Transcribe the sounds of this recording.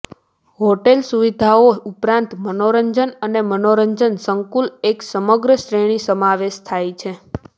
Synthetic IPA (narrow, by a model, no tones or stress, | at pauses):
ɦoʈelsuʋid̪ʱaoupɾãnt̪mənoɾəɲd͡ʒənənemənoɾəɲd͡ʒənsəŋkuleksəməɡɾəʃɾeɽ̃isəmaʋeʃt̪ʰajt͡ʃʰe